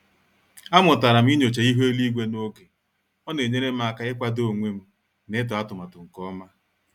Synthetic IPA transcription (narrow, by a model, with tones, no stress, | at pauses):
a˦mʊ˨ta˨ɾa˨m̩˦i˦ɲo˨t͡ʃe˨i˦ɦo˦e˦li˦ɡʷe˦no˦ɡe˨ | ɔ˦ne˨ɲe˦ɾe˦m̩˦a˨ka˦ɪ˦kʷa˦do˦˨ŋʷe˦m̩˦ | ne˦t̬ɔ˨a˦tʊ˨ma˨tʊ˨ŋ̩˨kɔ˦ma˦